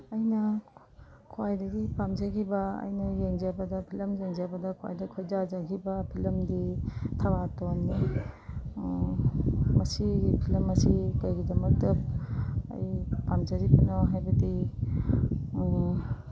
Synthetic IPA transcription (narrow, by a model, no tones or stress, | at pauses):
ɐjnɐ | kʰwajdɐɡipamd͡ʒakʰibɐɐ̰jnɐjeŋd͡ʒabɐdɐpʰilɐmjeŋd͡ʒabɐdɐkʰwa̰jdɐkʰojd͡ʒad͡ʒakʰibɐpʰilɐmditʰɐbatonːi | mɐsiɡipʰilɐmɐsikɐjɡidɐmɐk̚tɐp̚ɐ̰jpamd͡ʒɐɾipɐnɔɦajbɐdi